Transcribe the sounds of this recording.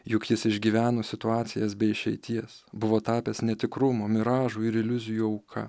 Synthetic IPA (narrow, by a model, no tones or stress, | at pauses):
jʊkjɪsɪʒʲɡʲiːʋʲæːnoːsʲɪt̪ʊɑːt̪sʲɪjɛsbʲɛɪɪʃʲɛɪt̪ʲiɛsbʊʋoːt̪ɑːpʲɛsnʲɛt̪ʲɪkɾʊmoːmʲɪɾɑːʒuːɪɾɪlʲʊzʲɪjuɐʊkʰɐ̰